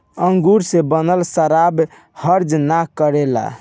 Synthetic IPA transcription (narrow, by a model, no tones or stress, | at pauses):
əŋɡuɾsẽbənəlsəɾab | həɾd͡ʒnakəɾela̰